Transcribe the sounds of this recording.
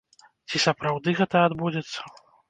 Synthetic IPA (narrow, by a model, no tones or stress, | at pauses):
t͡sʲisɐpɾawd̪ɨɣɛt̪ɐad̪bud͡zʲɛt̪sːɐ̥